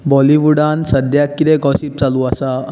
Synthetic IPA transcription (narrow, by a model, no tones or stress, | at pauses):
bɔliʋuɽansəd̪ʱjakid̪eɡɔsiːp̚t͡saluːəsa